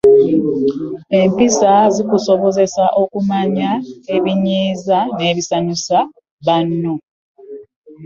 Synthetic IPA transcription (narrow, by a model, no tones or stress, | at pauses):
e̞mpisazikuso̞βo̞ze̞saʔo̞kumaɲae̞βiɲiːzane̞ːβisanusa | βanːo̞